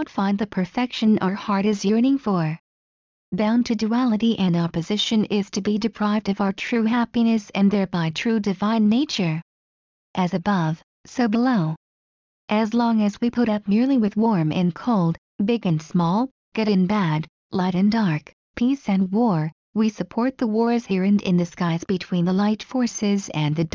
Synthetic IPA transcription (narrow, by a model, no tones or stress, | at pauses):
ʊ̃tfãɪ̃nðɨpʰə˞fɛkʃɨ̃nʔə˞hɑɹɾɨzjəɾɪ̃ŋfə˞ | bãʊ̃ntʰɨduælˠəɾiʔɨ̃nɑpɨzɪʃɨ̃nɪz̥tʰɨbidɨpʰɹ̥aɪvdʌvaʊə˞tʰɹ̥ʉɦæpinɨsɨ̃nðɛɹbaɪtʰɹ̥ʉdɨvãɪ̃nːeɪt͡ʃə˞ | ʔɨzɨbʌv̥ | soʊbɨloʊ | ʔɨzlɔ̃ŋɨzwipʰʊɾʌp̚mɪɹlˠiwɨðwɔɹmɪ̰̃nkʰoʊlˠd̚ | bɪɡɨ̃nsmɔlˠ | ɡ̥ɛɾɨɨ̃nbæd | laɪɾɨ̃ndɑɹk | pʰisɨ̃nwɔɹ | wisɨpʰɔɹt̪̚ðəwɔɹɨz̥hɪɹɨ̃ndɪ̰̃nðɨskaɪzbɨtʰw̥ĩnðəlaɪtfɔɹsɪzɨ̃nðɨd